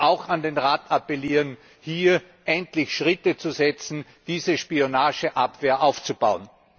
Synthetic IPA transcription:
ʔaʊxandeːnʁaːtapəliːʁən | hiːɐ | ʔɛntlɪçʃʁɪtət͡suzɛt͡sn̩d̥iːzəʃpionaːʒəʔapv̥eːɐʔaʊft͡subaʊən

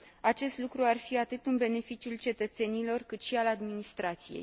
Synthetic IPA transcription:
at͡ʃe̞st̪lukɾuarfiat̪ɨt̪ɨnbe̞ne̞fit͡ʃiult͡ʃe̞t̪ət̪se̞nilo̞rkɨt̪ʃialad̪minist̪ɾat̪sijḛj

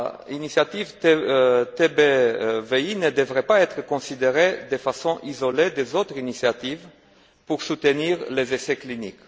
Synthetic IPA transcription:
inisiat̪ivt̪t̪ebeveinəd̪əvʁepaɛt̪χəkõsid̪eʁed̪efasɔ̃ʔizoled̪ezot̪ʁinisiat̪iv | puʁsut̪əniʁlezeseklinik

